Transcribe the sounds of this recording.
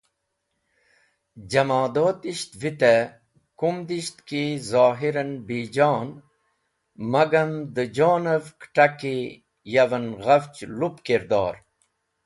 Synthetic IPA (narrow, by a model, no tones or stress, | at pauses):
d͡ʑɐmaːd̪oːt̪iɕt̪vit̪e | kumd̪iʃt̪kizɑːɦiɾɐnbiːd͡ʑɑːn | mɐɡɐmd̪əd͡ʑaːnɐvkʈɐki | jɐʋɐnɣɐft͡ɕlupkiɾd̪ɑːɾ